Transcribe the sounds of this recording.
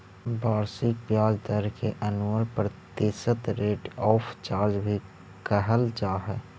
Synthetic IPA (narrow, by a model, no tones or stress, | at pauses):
baːɾsɪk̚pjaːd͡ʒd̪əɾkeʔənuəɾpəɾt̪eːsət̪ɾeːʈɔːpʰt͡ʃaːɾd͡ʒbʱi | kəɦəlt͡ʃaːɦɛː